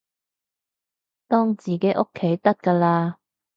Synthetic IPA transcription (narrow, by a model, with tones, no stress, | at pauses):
t̪ɔː˥ŋt͡siː˨˩kɛː˨˦˥ʔo˥kʰːe˨˥jt̪ɐ˥t̚kaː˧laː˧